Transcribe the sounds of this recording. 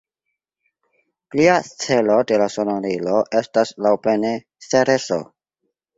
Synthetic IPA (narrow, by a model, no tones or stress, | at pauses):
pliat͡se̞lo̞de̞lasonoɾilo̞ʔe̞staslawple̞ne | seɾeso̰